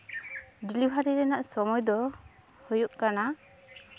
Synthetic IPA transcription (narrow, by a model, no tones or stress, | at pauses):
dilibʱaɾiɾɛnaʔsɔmɔjd̪ɔ | hujuʔkana